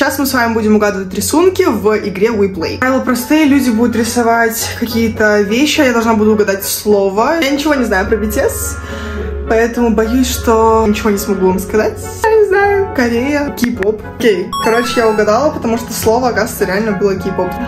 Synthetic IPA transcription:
ɕasmɨsvamʲɪbudʲɪmʊɡad̪əvətʲɾʲɪsunkʲɪvɪɡɾʲewiplˠḛjvɪlˠəpɾɐst̪ɨjəlʲudʲɪbud̪ʊt̪ɾʲɪsɐvatʲkɐkʲijət̪əvʲeɕːɪajad̪ɐʐnabud̪ʊːɡɐd̪atʲslˠovəjanʲɪt͡ɕɪvo̞nʲɪznajʊpɾəbʲɪtʲet̪s | pɐɛt̪əmʊbɐjusʲʂt̪onʲɪt͡ɕɪvo̞nʲɪsmɐɡuvamskɐzatʲ | ɪznajʊkɐɾʲejəkʲipop | kʲejkɐɾo̞t͡ɕɪjaʊɡɐd̪alˠəpət̪ɐmuʂt̪oslˠo̞vəɐkast̪əɾʲɪalʲnəbɨlˠəkʲipop

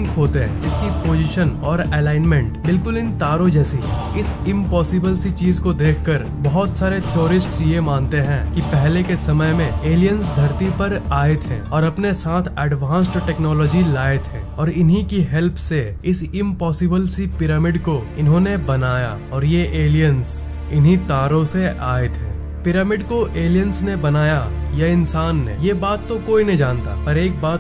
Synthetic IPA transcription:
ŋkɦoːt̪eɦɛ̰̃ɪskipoːd͡ʒɪʃənɔːɾɛːlaːɪnmɛ̃ɳʈbɪlkʊlɪ̃nt̪aːɾod͡ʒɛːsiɦɛ̰̃ | ɪsɪ̃mpɔːsɪbəlsit͡ʃiːzkod̪eːkʰkɐɾ | bɐɦɔt̪saːɾet̪ʰjoːɾɪsʈsjemãːnt̪eɦɛ̃ːkipɛɦlekesɐməjmẽeːlijə̃nsd̪ʱɐɾt̪ipɐɾaːet̪ʰɦɛ̰̃ːɔːɾɐpnesaːt̪ʰɛːɖʋãːnsʈʈɛːknɔːlɔːd͡ʒilaːet̪ɦɛ̰̃ːɔːɾɪnɦikiɦɛlpʰse | ɪsɪ̃mpɔːsɪbəlsipɪɾəmɪɖko | ɪnɦõːnebɐnaːja̰ | ɔːɾjeʔeːlijəns | ɪnɦit̪aːɾõseʔaːɪt̪ɦɛ̃ː | pɪɾəmɪɖkoʔeːlijənsnebɐnaːjajɐɪnsaːnːḛjebaːt̪ːokoːinɐɦĩd͡ʒaːnt̪a̰pɐɾeːk̚baːt̪

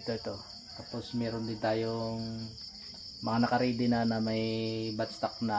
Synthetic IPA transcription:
t̪o̞ʔɛt̪o̞ | t̪aːpo̞smɛːɾond̪ɪnt̪aːjoŋ | mɐŋanɐkɐɾiːd̪ɪnanɐmɐjbɐt̪st̪ak̚nɐ

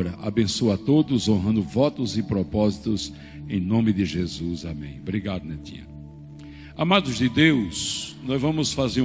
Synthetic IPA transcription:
ɾɐʔabẽsoat̪od̪ʊzõɦɐ̃nd̪ʊvɔt̪ʊzɪpɾɔpɔzit̪ʊz | ẽj̃nõmɪd̪ɪʒezuzamḛ̃j̃bɾiɡad̪ʊnet̪ḭ̃ɐ̰̃ | amad̪ʊzd̪ɪd̪ewsnɔjzvɐ̃mʊsfazeɾ̃

